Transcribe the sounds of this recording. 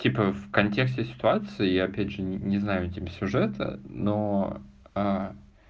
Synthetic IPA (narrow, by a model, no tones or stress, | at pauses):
tʲipəfkɐnʲtʲe̞ksʲtʲɪsʲɪ̥t̪ʊat̪sɨɪjaɐpʲædʲʐɨnʲɪznajʊtʲimsʲʊʐɛt̪ə̰no | a